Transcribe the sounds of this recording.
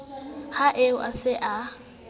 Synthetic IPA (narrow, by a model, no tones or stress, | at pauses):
haʔeʊʔa̰sɪʔa